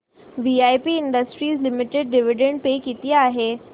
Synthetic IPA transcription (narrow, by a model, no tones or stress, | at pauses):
ʋiajpiɪɳɖəsʈɾiːzlɪmɪʈeɖɖɪʋiɖẽɳɖ̚pekit̪ijaaːɦe